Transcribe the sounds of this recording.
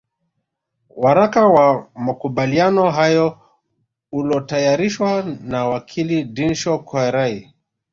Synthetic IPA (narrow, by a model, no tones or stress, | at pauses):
waɾakawamakuɓalianɔɦajɔ | ulɔtajaɾiʃwanawakʰilidinʃɔkaɾai